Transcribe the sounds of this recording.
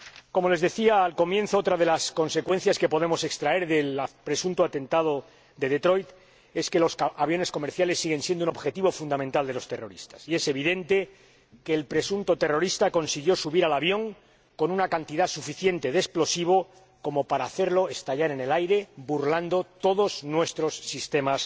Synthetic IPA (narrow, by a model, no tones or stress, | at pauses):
ko̞mo̞le̞zðe̞θiaːlko̞mje̞nθo̞ot̪ɾaðe̞lasko̞nse̞kwe̞n̟θjaske̞po̞ðe̞mo̞se̞kst̪ɾae̞ɾðe̞lpɾe̞sunt̪oat̪ẽ̞nt̪aðo̞ | d̪e̞ðe̞t̪ɾo̞jt̪ | e̞ske̞lo̞saβjo̞ne̞sko̞me̞ɾθjale̞sːiɣe̞nsjend̪uno̞βxe̞t̪iβo̞fund̪amẽnt̪ald̪elo̞st̪e̞ro̞ɾḭst̪ḁsie̞se̞β̞iðe̞nt̪e̞ | ke̞ːlpɾe̞sunt̪o̞t̪e̞ro̞ɾist̪ako̞nsiɣ̞jo̞suβiɾalaβjo̞ŋ | ko̞nunakant̪iðasufiθje̞nt̪e̞ðesplo̞siβ̞o̞ | ko̞mo̞paɾaːθe̞ɾlo̞e̞st̪aʎaɾe̞ne̞lajɾe̞buɾland̪o̞t̪o̞ðo̞znwe̞st̪ɾo̞sːist̪e̞mas